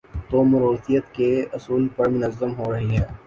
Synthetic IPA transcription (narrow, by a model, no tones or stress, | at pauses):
t̪oːmɐɾoːt̪ijət̪keʊsuːlpɐɾmʊnəzːəmɦoɾɐɦiɦɛː